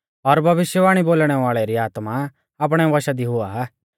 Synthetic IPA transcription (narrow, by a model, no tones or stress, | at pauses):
ɔɾbʱɐʋɪʃjəʋaːɽ̃iboːlɽ̃ɛʋaːɭɛɾiaːt̪ma | aːp̬ɽ̃ɛʋɐʃad̪iɦʊa